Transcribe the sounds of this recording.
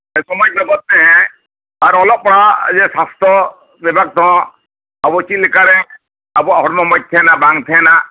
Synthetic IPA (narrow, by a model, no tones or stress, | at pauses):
ɛsɔmɔc̚lɔɡɔt̪̚nɛɦɛ̃ | aɾɔlɔp̚pɔɽad͡ʒɛsast̪ʰɔ | bɛbʱaɡ̚t̪ɔ̃ | abut͡ʃilɛkaɾɛ | abuaɦɔɾmɔmɔt̚t̪ʰɛnabaŋt̪ʰɛna